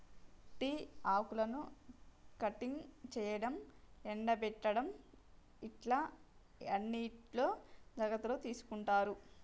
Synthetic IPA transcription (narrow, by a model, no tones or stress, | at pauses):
ʈiːaːkulɐnu | kɐʈːiŋɡt͡ʃɛːjɐɽɐmɛɳɖɐpɛʈːɐɽɐm | iʈlaː | ɐnːiʈlo̞ːd͡ʒ̪ɐɡɐt̪ɐloːt̪iːsu̥kuɳʈaːɾu